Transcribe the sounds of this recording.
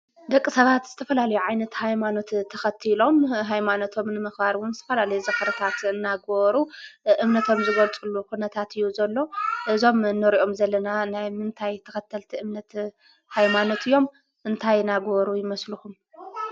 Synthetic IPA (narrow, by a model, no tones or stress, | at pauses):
d̪ɐkʼːisɐβat̪z̥ɨt̪ʰɐfɐlalɐjuʕajnɐt̪hajmano̞t̪t̪ʰːɐxɐt̪ʰilo̞mɦajmano̞t̪ʰo̞mnɨmɨxbaɾwʊnzɨt̪ʰɐfɐlalɐjuzɐkɐɾɐt̪ʰat̪ɨnːaɡβɾuʔɨmnɐt̪ʰo̞mzɨɡɐlt͡sʼulːukunɐt̪ʰat̪ɨjːuzɐlːo̞ʔɨzo̞mnːɨɾiʔo̞mzɐlːɐnanajmɨnt̪ʰajt̪ʰɐxɐt̪ʰːɐlt̪ʰiʔɨmnɐt̪ | hajmano̞t̪ʰɨjːo̞m | ʔɨnt̪ʰajnaɡβɾujɪmɐsluxum